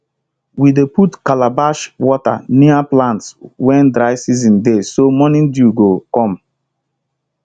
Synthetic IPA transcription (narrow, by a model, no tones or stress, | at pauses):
wideputkalabaʃwɔta̰niaplãntswɛ̃ndɾaɪsizĩndesomɔnĩndjuɡokɔ̃m